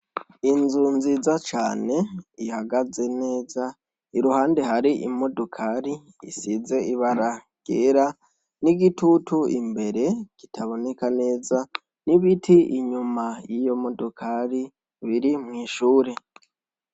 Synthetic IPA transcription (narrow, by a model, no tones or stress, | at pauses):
inzunzizat͡ʃaːne̞ihaɡaze̞ne̞ːza | iɾuhaːnde̞haɾiʔḭmo̞dokʰaɾi | ḭsize̞iβaɾa | ɡ̥eɾa | niɡitutʰuḭmbe̞ɾe̞ɡ̥itʰaβo̞ne̞kane̞ːza | niβitʰiʔiɲumajijo̞mo̞dokʰaɾi | βiɾimŋiːʃuːɾe̞